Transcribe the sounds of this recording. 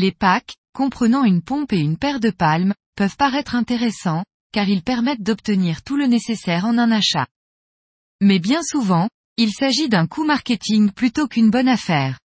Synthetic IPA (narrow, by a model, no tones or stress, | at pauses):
lepak | kːɔ̃pχənɑ̃ynpɔ̃peynpɛʁd̪əpalm | pœvpaʁɛt̪χɛ̃t̪eʁesɑ̃ | kaʁilpɛʁmɛt̪̚d̪ɔpt̪əniʁt̪ulənesesɛʁɑ̃nɛ̃naʃa̰ | mɛbjɛ̃suvɑ̃ | ilsaʒid̪ɛ̃kʰumaʁkʲet̪ʰiŋplyt̪okynbɔnafɛːʁ